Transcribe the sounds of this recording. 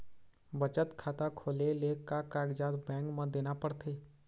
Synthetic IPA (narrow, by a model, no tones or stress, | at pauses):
bət͡ʃət̪kʰaːt̪akʰoːleleːkːakaːɡd͡ʒaːd̪bɛ̃ːŋkmə̃d̪eːnapəɽt̪ʰeː